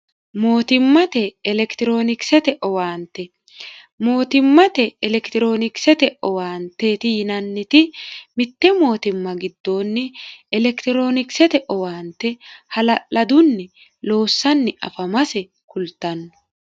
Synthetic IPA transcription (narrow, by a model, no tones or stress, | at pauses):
mo̞ːt̪ɪmːɐt̪ɛːlɛkt̪ɪɾo̞ːnɪksɛt̪ɛʔɔwaːnt̪ːɛ | mo̞ːt̪ɪmːɐt̪ɛːlɛkt̪ɪɾo̞ːnɪksɛt̪ɛɔwaːnt̪ːeːt̪ɪjɪnɐnːɪt̪ɪmɪt̪ːɛmo̞ːt̪ɪmːɐɡɪd̪ːo̞ːnːɛɛlɛkt̪ɪɾo̞ːnɪksɛt̪ɛʔɔwaːnt̪ːɛhɐlɐʔɐd̪ʊnːɛ | lo̞ːsːɐnːɛʔɐ̰fɐmɐsɛ | kʊlt̪ːɐnːɐ